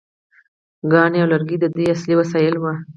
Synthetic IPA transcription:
ɡɑneawlaɾɡid̪əd̪iasliwasɑjɪlma

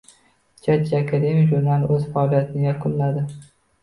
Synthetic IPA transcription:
t͡ʃʰad͡ʒaakʰad̪emʲijʒuɾnalˠɵzfaɒlˠijat̪ʰɪnɪɡʲakʰʊlːad̪ɪ

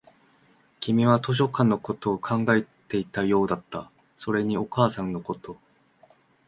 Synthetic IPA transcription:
kʲimʲiβat̪o̞ɕ̬o̞kãnːo̞ko̞t̪o̞ːkʰãŋɡae̞t̪e̞it̪ajo̞ːd̪at̪ːa̰ | so̞ɾe̞ɲ̟io̞kaːsãnːo̞ko̞t̪o̞

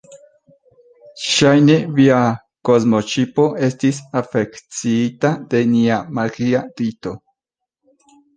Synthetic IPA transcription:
ʃajnevia | ko̞zmo̞t͡ʃipo̞ʔe̞stisafe̞kt͡siitad̪̥e̞niamaɡiaɾito̞

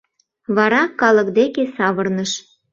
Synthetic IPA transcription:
βɑɾɑkɑlə̆kd̪ekesɑβərnəʃ

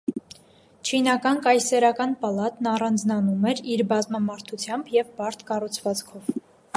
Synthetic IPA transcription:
t͡ʃʰinɑkɑnkɑjsɛɾɑkɑnpɑlɑt̪nɑrɑnd͡znɑnumɛɾiɾbɑzmɑmɑɾt̪ʰut͡sʰjɑmbjɛvbɑɾt̪ʰkɑrut͡sʰvɑt͡skʰɔv

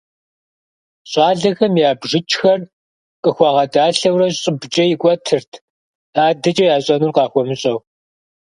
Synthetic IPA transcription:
ɕʼɑːɮɐxɐmjaːbʐɪt͡ʃʼxɐr | qʼəxʷɑʁɐdaːɬɐwrɐɕɕʼɪbd͡ʒʼɐjɪkʷʼɔtʰɨrtʰ | aːdɐt͡ʃʼɐjaːɕʼɐnurqɑːxʷɔmɨɕʼɐw

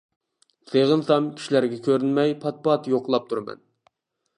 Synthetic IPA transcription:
seʁənsɑmkʲʰi̥ʃilæɾɡʲɛkʲʰøɾynmɛjpʰɑt̪̚pɑt̪joqlˠɑp̚t̪ʰuɾmɛ̰n

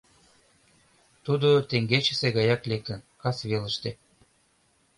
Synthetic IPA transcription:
t̪ud̪ot̪eŋɡet͡ɕə̥̆seɣɑjɑklek̚t̪ə̆nkɑsβelə̆ʃt̪e

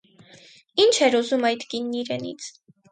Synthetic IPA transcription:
int͡ʃʰɛɾuzumɑjd̪kinːiɾɛnḭt͡sʰ

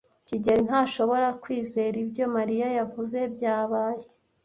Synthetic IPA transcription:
ciɟen̥haːʃo̞βo̞ɾakwiːzeɾibjo̞maɾijajavuze̞bɟaːβaːje

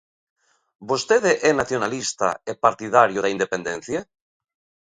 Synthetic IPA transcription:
bost̪eðeʔɛnaθjonalist̪a̰epaɾt̪ið̞aɾjoðaind̪epend̪en̟θja

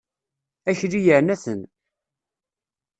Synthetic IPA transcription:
æçlijəʕnæθən

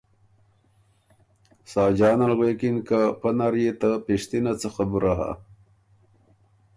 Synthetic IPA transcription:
saːd͡ʑɑːnalɣwekinkapɐnaɾjet̪apiʂt̪inat͡saxabuɾaɦa̰

